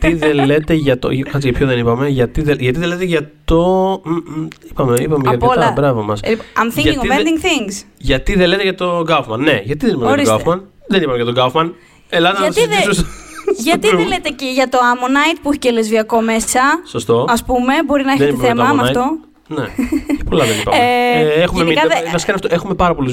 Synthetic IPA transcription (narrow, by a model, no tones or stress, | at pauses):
t̪iðellet̪e̞ʝɐt̪o̰kɐt͡siʝɐpʰçoðenipɐmeʝɐt̪iðeʝɐt̪iðelet̪eʝɐtt̪o | ipɐme̞ipɐmeʝɐkpɐolt̪ɐbɾɐvomɐsiɐmθĩŋɐiŋɡomed̪iŋɡθiŋsʝɐt̪iðele̞t̪eʝɐt̪o̞ɡɐfmɐnːeʝɐt̪iðenipɐɐot̪isɡɐfmɐn | ðenipɐmejɐt̪oɡɐfmɐn | elɐzɐɐɐsðiusoʝɐt̪ielet̪eceʝɐt̪o̞ɐmonɐjt̪̚puiçecelezviɐko̞me̞ssɐsost̪o̞ɐspume̞bo̞ɾinɐeçeit̪eɐθemɐmɐft̪o̞ | nḛcepo̞lɐðenipɐ̰exumemikɐðvɐsi̥kɐnɐft̪oe̞xumepɐɾɐpo̞liz